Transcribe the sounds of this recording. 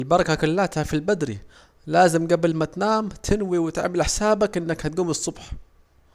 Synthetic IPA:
lbɑɾˤɑkakʊlːaːt̪hafilbad̪ɾḭ | laːzɪmɡablmat̪naːmt̪ʰɪnwiwɪt̪ʕmɪlʔɪħsaːbakʔɪnːakhat̪̚ɡuːmɨsˤːʊbħ

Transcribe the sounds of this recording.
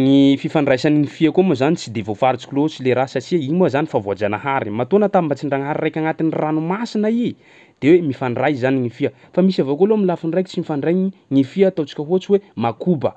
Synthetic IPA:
ŋififaɳɖ͡ʐajsaniŋifiakomuzanit͡sid̪evofaɾit͡sikilot͡sileɾasat͡ʃiaimazanifavoad͡ʒanəɦaɾimat̪onət̪ambət͡siɳɖ͡ʐaŋɦaɾirajkʲaŋat̪iniranumasinai | d̪̥ewemifaɳɖ͡ʐajzaniŋifiə | famisavokolomilafinrajki̥t͡simifaɳɖ͡ʐajɲiŋifiat̪at͡si̥kʲəɦot͡siwemakubə

